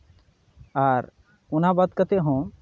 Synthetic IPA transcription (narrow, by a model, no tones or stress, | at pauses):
aɾ | unabad̪kat̪eɦɔ̃